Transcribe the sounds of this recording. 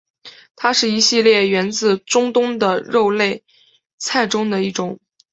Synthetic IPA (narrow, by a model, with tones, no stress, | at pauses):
t̪ʰa˥ʂɻ̩˥˩i˧˥ɕi˥˧ljɛ˥˩ɥɛ˧˥nt͡sɹ̩˥˩ʈ͡ʂʊ˥ŋt̪ʊ˥ŋd̪ə˨ɻo˥˧ʊle˥˧ɪ | t͡sʰa˥˩ɪʈ͡ʂʊ˥ŋd̪ə˨i˥˩ʈ͡ʂʊ˨˧˩ŋ